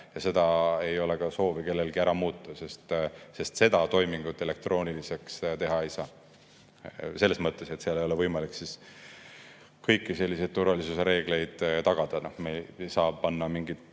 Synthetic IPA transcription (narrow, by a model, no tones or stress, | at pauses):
jɑse̞d̪̥ɑe̞jo̞le̞kɑso̞ːvike̞lːe̞lɡ̥iæɾɑmuːt̪ːˑɑse̞st̪se̞st̪se̞d̪ɑt̪o̞jmiŋɡ̥ut̪ːˑe̞le̞k̚t̪ro̞ːnʲilise̞kst̪e̞ɦɑe̞jsɑː | se̞lːe̞smɤt̪ːˑe̞set̪seɑlejo̞le̞vɤjmɑliksis | kɤjkːˑise̞lːise̞jd̥̪̚t̪urvɑlisuse̞ɾe̞ːɡ̥le̞jd̪̥t̪ɑɡ̥ɑd̪̥ɑnohmejsɑːb̚pɑnːɑmiŋɡid̪